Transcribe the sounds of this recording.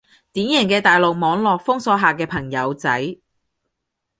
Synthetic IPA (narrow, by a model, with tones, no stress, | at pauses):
t̪iː˨˥njɛː˨˩ŋkɛː˧t̪aː˨jlo˨k̚mɔː˨˧ŋlɔː˨k̚fʊ˥ŋsɔː˨˥ɦaː˨kɛː˧pʰɐ˨˩ŋjɐ˨˧wt͡sɐ˨˥j